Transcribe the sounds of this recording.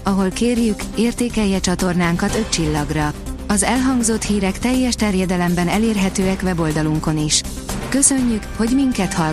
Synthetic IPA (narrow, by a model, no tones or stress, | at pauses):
ɒɦo̞lkeːrjykeːrt̪eːkɛjːɛt͡ʃɒt̪o̞rnaːŋkɒt̪ø̞ct͡ʃilːɒɡrɒɒzɛlɦɒŋɡzo̞t̪hiːɾɛkt̪ɛjːɛʃt̪ɛrjɛd̪ɛlɛmbɛnɛleːrɦɛt̪øːɛkʋɛbo̞ld̪ɒluŋko̞niʃ | kø̞sø̞ɲːykho̞ɟmiŋkɛt̪hɒ